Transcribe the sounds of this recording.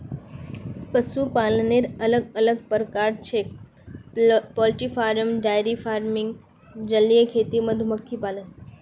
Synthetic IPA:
pəsupaːlneɾələɡələɡpəɾkaːɾt͡ʃʰe | pɔːlʈifaːɾəmɖaːjɾifʰaːɾmɪŋɡ | d͡ʒəlːijəkʰeːt̪iməd̪ʱuməkʰːipaːlən

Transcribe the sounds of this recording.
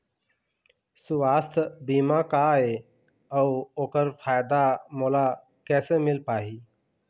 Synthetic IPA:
sʊʋaːst̪ʰbiːmãːkaɦeː | əuoːkəɾfʰaːjd̪aːmoːlaː | kɛːseːmɪlpaːɦiː

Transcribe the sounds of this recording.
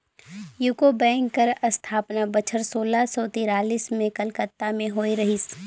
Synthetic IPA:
juːkobɛ̃ːŋkːəɾɐst̪ʰaːpnabɐt͡ʃʰəɾsoːlasɔːt̪ɪɾaːliːsmẽkɐlkət̪ːamẽɦoːiɾɐɦiːs

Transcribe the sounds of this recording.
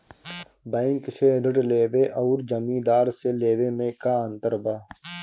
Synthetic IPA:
baɪŋkseɖəʈleːʋeʔɐːɾd͡ʒɐmĩːd̪aːɾseleːwemẽkaːɐ̃nt̪əɾbaː

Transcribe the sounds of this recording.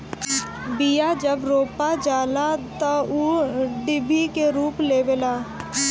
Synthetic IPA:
bijad͡ʒɐbɾoːpad͡ʒaːlat̪ouɖɪbʱikeɾuːpleːbelaː

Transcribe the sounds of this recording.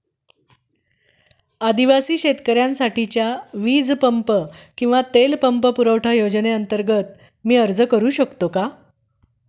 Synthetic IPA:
ad̪iʋasiːɕet̪kəɾjãnsaʈit͡ɕjaʋiːd͡zpəmpəkĩw̃ʋat̪elpəmpəpuɾəʋʈʰajod͡ʑneənt̪əɾɡət̪̚ | miːəɾd͡zəkəɾuːɕəkt̪oka

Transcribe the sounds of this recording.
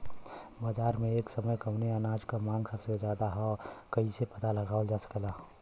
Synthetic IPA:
baːd͡ʒaːɾmẽeːksəməjkɐʊneanaːd͡ʒkamãːŋɡsəbsezjaːd̪aɦɛkɐisepɐt̪alɐɡaːld͡ʒaːsə̥kelaː

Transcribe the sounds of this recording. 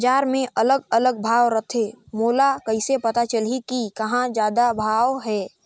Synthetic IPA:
bd͡ʒaːɾmẽʔələɡələɡ̚bʱaːʋɾət̪ʰemoːlakɐɪsepɐt̪at͡ʃəlikikɐɦãd͡ʒjaːd̪abʱaːwɦɛː

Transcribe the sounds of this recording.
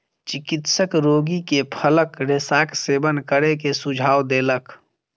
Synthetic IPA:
t͡ʃɪkɪt̪səkɾoːɡikepʰələkɾesaːkseːbənkəɾekesʊd͡ʒʱaːwd̪eːlək

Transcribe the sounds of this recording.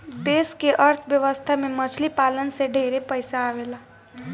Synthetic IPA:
d̪eskeʔəɾt̪ʰbjəʋəst̪ʰamemət͡ʃʰlipalənsẽɖʱeɾepəjsaːʋela

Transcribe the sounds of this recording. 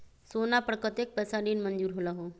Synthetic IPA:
sonapɾəkət̪ek̚pəsaɽiːnmənd͡ʒuːɾɦolaɦo

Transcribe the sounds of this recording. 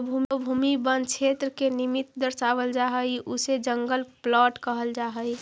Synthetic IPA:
bʱumbʱuːmibənd̪kt͡ʃʰeːt̪ɾəkenɪmɪt̪d̪əɾsaːʋəld͡ʒaːɦəiʔʊsed͡ʒə̃ŋɡəlplɔːʈkəɦəld͡ʒaːɦəi

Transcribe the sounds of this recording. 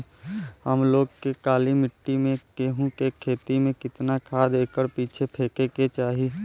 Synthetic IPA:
ɦəmloːɡkekaːlimɪʈːimẽkeɦũkekʰeːt̪imẽkɪt̪nakʰaːd̪eːkəɾpiːt͡ʃʰepʰeːkeket͡ʃaːɦi

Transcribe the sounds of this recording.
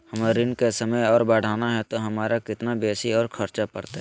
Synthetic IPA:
hɐmɾɪnkesəməjɔːɾbaːɽ̤ʱaːnaɦɛt̪oɦɐmaːɾʔakɪt̪nabeːsiɔːɾkʰɐɾt͡ʃapɐɾt̪aɦ

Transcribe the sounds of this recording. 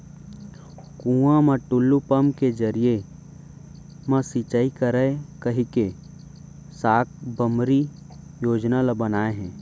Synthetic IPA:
kũːãmãʈʊlːupəmked͡ʒəɾije | masit͡ʃaːikəɾəekəɦike | saːk̚ʰbəmɾijoːd͡ʒnalabənaːeɦɛ̃ː

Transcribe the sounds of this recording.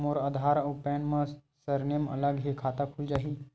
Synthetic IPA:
moɾad̪ʱaɾopɛnməsəɾnemə̰ləɡɦikʰat̪akʰuld͡ʒaːɦi

